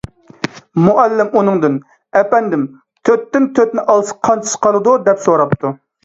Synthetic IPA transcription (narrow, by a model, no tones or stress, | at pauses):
muʔɛlːɪmunɨŋd̪ɨn | ɛpɛnd̪ɪm | t̪ʰøt̪ːɪnt̪ʰøt̪nɪʔɑlˠsɨ̥qʰɑnt͡ʃʰi̥ʃqʰɑlˠɨd̪ud̪ɛpsoɾɑp̚t̪ʰu